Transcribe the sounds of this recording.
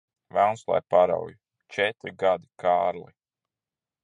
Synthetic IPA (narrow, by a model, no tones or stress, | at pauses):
vɛlnslˠa̰jpaɾa̰wj | t͡ʃɛt̪ɾiɡad̪ikʰaːɾlḭ